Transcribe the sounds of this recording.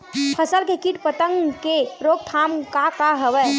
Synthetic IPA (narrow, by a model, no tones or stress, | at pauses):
pʰəsəlkekiʈpət̪əŋɡkeɾoɡ̚t̪ʰamkakaɦəʋɛ